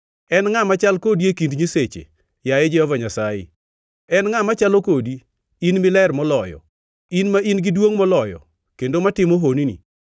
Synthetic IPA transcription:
ɛnŋamat͡ʃalkodiekindɲiset͡ʃḛ | jajɛd͡ʒehɔvaɲasajɪ̰ | ɛnŋamat͡ʃalokodi | inmɪlɛrmɔlɔjɔ̰ | inmainɡɪdwoŋmɔlɔjɔ̰ | kendomatɪmoɦoninḭ

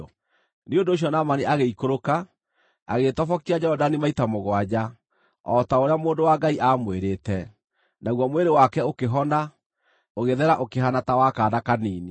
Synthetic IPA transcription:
neondoːɕ̬jɔnamaneʔaɣeikoɾoka | a̰ɣetɔfɔkiad͡ʒɛhɔdanemaitamoɣwad͡ʑa | ɔtaoɾeamoːndowaɡaiʔaːmweɾetɛ | naɣwɔmweɾewakɛokeɦɔna | oɣeðɛɾaʔokeɦanatawakaːdakaniːni

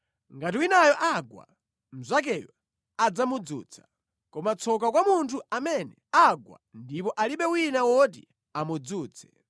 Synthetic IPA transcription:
ŋɡatiwinajɔʔaɡwa̰ | m̩zʷak̬ɛjwa | ad͡zamud͡zṵːt͡sʰḁ | kɔmat͡sʰɔkak̬wamuntʰuamɛnɛaɡwa̰ndipɔʔaliɓɛwinawɔt̬ḭ | amud͡zuːt͡sʰɛ

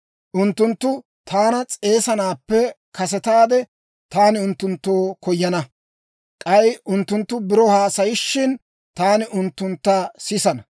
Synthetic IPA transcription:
ʔʊnt̪ːʊnt̪ːʊ | t̪ʰaːnɐt͡sʼe̞ːsɐnaːpːɛ | kʰɐs̬ɛt̪aːd̪ɛ | t̪aːnɪʊnt̪ːʊnt̪ːoːkɔjːɐnɐ | kʼɐjʔʊnt̪ːʊnt̪ːʊbɪɾɔhaːsɐjɪʃːɪn | t̪aːnɪʔʊnt̪ːʊnt̪ːasɪsɐnɐ

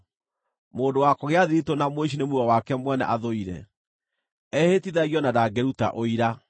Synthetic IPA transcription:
moːndowakɔɣeaðiɾitonamweɕ̬inemuɔwakɛmwɛnɛ̰ʔaðoiɾɛ̰ | ɛhetiðaɣjɔnadaɡɛɾuta̰ʔoiɾa

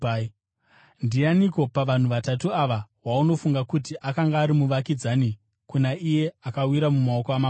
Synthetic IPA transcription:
ndijaniko̞paʋan̤uʋatatuaʋawauno̞fuŋɡakut̬iʔakaŋɡaːɾimuʋakid͡zani | kunaʔije̞akawiɾamumaokoama

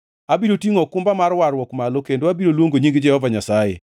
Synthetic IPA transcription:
abiɾotiŋɔkʊmbamarwaɾwɔkmalokendoabiɾolwoŋɡoɲiŋɡd͡ʒɛhɔvaɲasajḛ

